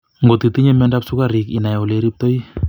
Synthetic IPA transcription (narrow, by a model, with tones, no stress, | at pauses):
ŋɡo˨t̪i˨t̪i˦ɲe˦mɛ˦nda˦psu˦kaɾi˨kḭ˨na˨jɔ˨le˦ɾi˦p̚t̪o˦i˦